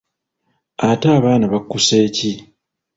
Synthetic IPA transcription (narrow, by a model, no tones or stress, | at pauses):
ataːβaːnaβakːuse̞ːci